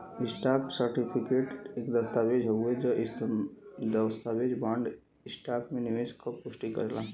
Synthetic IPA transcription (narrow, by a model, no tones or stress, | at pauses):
ɪsʈaːpsəɾʈipʰikeːʈeːkd̪ɐst̪aːbed͡ʒɦoɡued͡ʒəʔɪst̪d̪əst̪abed͡ʒbãːɳɖ | ɪsʈaːpmẽnɪʋeskapʊʃʈikə̰ɾlaː